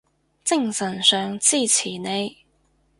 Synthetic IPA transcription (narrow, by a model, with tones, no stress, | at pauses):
t͡sɪ˥˧ŋsɐ˨˩nsœː˨˧ŋt͡siː˥t͡sʰiː˨˩ne˨˧j